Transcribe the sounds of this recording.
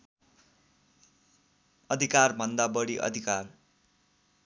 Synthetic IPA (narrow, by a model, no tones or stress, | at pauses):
ʌd̪ʱikarbʱʌnd̪abʌɽiʔʌ̰d̪ʱikar